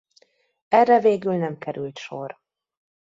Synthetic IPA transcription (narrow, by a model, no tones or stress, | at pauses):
ɛrːɛveːɡylnɛmkɛɾylt̪ʃor